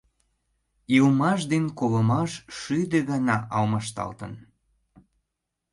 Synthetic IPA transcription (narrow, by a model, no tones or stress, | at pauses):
ilmɑʃd̪enkoləmɑʃʃyd̪eɣɑnɑʔɑlməʃt̪ɑ̰lt̪ə̰n